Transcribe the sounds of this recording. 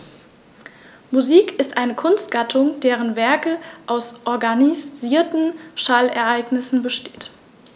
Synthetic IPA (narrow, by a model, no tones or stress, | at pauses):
muziːkɪstʔaɪnəkʰʊnstɡ̥atʰʊŋdeːʁ̞ənvɛɐkəʔaʊsʔɔɐɡaniz̥iːɐtn̩ʃalɛɐʔaɪɡnɪsn̩bəʃtʰe̥ːt